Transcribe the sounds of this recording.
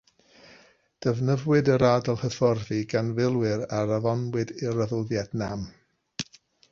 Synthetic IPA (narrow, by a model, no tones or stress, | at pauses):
d̥əvnəvwɨdəɾaːdɔlˠhəθɔrðiɡanvɪlˠwɪɾaɾaðɔnwɨdɪɾəðəlˠðjɛdnam